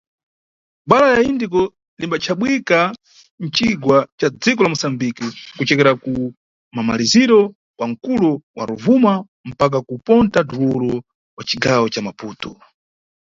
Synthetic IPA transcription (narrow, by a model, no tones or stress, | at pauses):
ɓalajaindikɔ | limbat͡ʃʰaɓwika | n̩t͡ʃiɡwat͡ʃad͡zikɔlamusambikikut͡ʃɛkɛɾaku | mamaliziɾɔ | waŋ̩kulɔwa̰ɾuvuma | m̩pak̬akupɔntaduwuɾɔ | wat͡ʃiɡawɔt͡ʃamapuːtɔ